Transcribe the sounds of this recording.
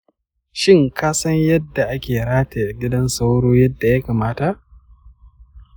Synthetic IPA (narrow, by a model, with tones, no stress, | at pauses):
ʃɪ˦ŋkaː˦sɐ˦ɲjɐ˦dːa˨ʔa˦kʲeː˨ɽaː˦te˨ɡʲɪ˦dɐ˦nsa˦wɽoː˦jɐ˦dːa˨ja˦kaː˨maː˦ta˨ʔ